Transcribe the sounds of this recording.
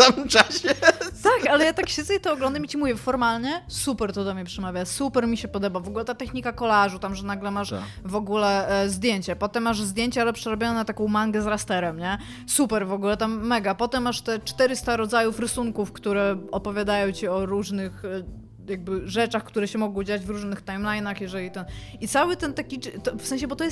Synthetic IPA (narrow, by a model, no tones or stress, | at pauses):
samɘmt͡ʂaɕɛakalɛjat̪akɕɛzɛit̪ɔɔɡlɔnd̪amit͡ɕimuvʲjɛfɔɾmalɲɛsupɛɾt̪ɔd̪ɔmɲɛpʂɛmavʲjasupɛɾmʲiɕɛpɔd̪ɔbavɔɡulɛt̪at̪ɛxɲikakɔlaʐut̪amʐɛnaɡlɛmaʂ | vɔɡulɛzd̪ʲjeɲt͡ɕɛpɔt̪ɛmːaʐzd̪ʲjeɲt͡ɕɛalɛpʂɛɾɔbʲjɔnɛt̪akɔ̃w̃maŋɡɛzɾast̪ɛɾɛmɲɛ | supɛɾvɔɡulɛt̪amːɛɡapɔt̪ɛmːaʂt̪ɛt͡ʂt̪ɛɾɘst̪aɾɔd̪zajufɾɘsuŋkufkt̪uɾɛɔpɔvʲjad̪ajɔ̃w̃t͡ɕiɔɾuʐnɘx | jaɡ̚bɘʐɛt͡ʂaxkt̪uɾɛɕɛmɔɡɔ̃wd͡ʑad͡ʑvɾuʐnɘxt̪ajmlajnaxjɛʐɛlʲit̪ɛnit̪sawɘt̪ɛnt̪akʲit̪ɔfsɛ̃ɲ̃ɕ̬ɛbɔt̪ɔjɛst̪